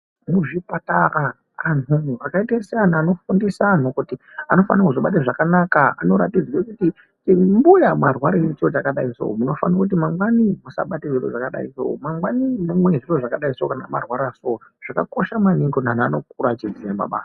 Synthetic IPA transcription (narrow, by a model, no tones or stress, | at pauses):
muʐipataɾaː | nuakaitesijanaːnofundisaːn̤ukutiano̞fa̰nakuʐoɓat̬aʐakanakaa̰no̞ɾatid͡zwokuti | t͡ʃimbujamarwaɾet͡sot͡ʃakaɗaiso̰muno̞fanakut̬imaŋɡwanimusa̰ɓateʐiro̰ʐakaɗa̰ḭso̰omaŋɡwanimumwe̞ʐiroʐakaɗaisookana̰ma̰rwaɾasooʐ̥akako̞ʃamanindonanaano̞kuɾat͡ʃid͡ziema̰ɓa̰ː